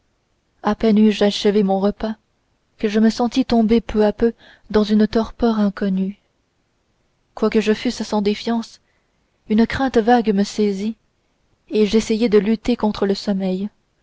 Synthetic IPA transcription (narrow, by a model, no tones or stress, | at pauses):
apɛnyʒaʃəvemɔ̃ʁəpa | kəʒəməsɑ̃t̪it̪ɔ̃bepʰøapø | d̪ɑ̃zynət̪ɔʁpœʁɛ̃kɔny | kwakəʒəfyssɑ̃d̪efjɑ̃s | ynəkχɛ̃t̪vaɡməsɛzi | eʒɛsɛjed̪əlyt̪ekɔ̃t̪χələsɔmɛj